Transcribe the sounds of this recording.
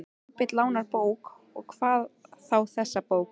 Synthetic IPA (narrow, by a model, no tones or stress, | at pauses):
pɪt̪laːwnaɾpoːwk | ɔ̰ɣkʰv̥aːðθawθɛsːapoːwk